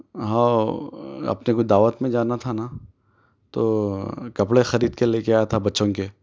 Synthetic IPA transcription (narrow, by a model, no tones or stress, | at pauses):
ɦãː | ɐ̰pnekʊt͡ʃd̪aːʋət̪mẽd͡ʒaːnat̪ʰana | t̪oːkɐpɽexɐɾiːd̪̚keleːkeaːjat̪ʰabɐtːʃõke